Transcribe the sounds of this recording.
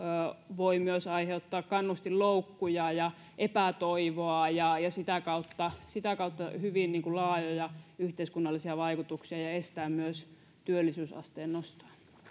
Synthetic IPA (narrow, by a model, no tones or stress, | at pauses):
ʋoimyøsɑiheut̪ːɑːkkɑnːust̪illoukːujɑjɑ | ʔepæt̪oiʋoɑjɑjɑsit̪ækɑut̪ːɑsit̪ækɑut̪ːɑhyʋinniːŋkulɑːjojɑyht̪eiskunːɑlːisiɑʋɑikut̪uksiɑjɑest̪æːmmyøs | t̪yølːisyːsɑ̰st̪eːnnost̪ɑ̥ː